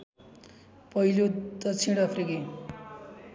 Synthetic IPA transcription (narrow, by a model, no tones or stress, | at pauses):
pʌilod̪ʌt͡sʰiɽʌpʰrike